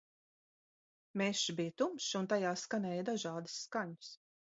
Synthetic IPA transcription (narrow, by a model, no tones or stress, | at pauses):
mɛʃibijt̪umʃunt̪ajaːskanɛːjd̪aʒɑːd̪u̥sːkaɲʊs